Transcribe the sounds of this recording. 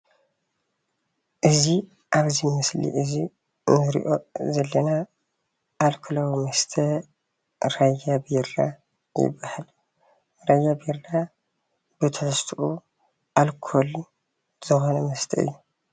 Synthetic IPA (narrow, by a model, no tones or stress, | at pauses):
ʔɨzi | ʔaβzimɨslḭʔɨzi | nɨɾḭʔo̞zɐlːɐna | ʔːlkʰɨlɐwmɐst̪ʰɐ | ɾajːabiɾa | jɪ̰bːahal | ɾajːabiɾla | bɨt̪ʰɨʕst̪ʰuʔu | ʔalkʰol | z̥ɨxonɐmɐst̪ʰɐɨ̰jːu